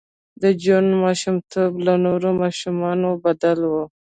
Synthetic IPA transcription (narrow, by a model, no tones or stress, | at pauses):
d̪əd͡ʒunmɑʃumt̪ʰoblanoɾomɑʃumɑnobad̪alwo